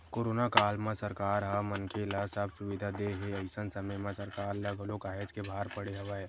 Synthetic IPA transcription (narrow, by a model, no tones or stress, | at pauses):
koːɾoːnakaːlmãsəɾkaːɾɦamənkelasəbsʊʋid̪ʱad̪eɦeɐɪsənsəməjmãsəɾkaːɾlɐɡʱolokaːɦed͡ʒkebʱaːɾpəɽeɦɐʋaɦeː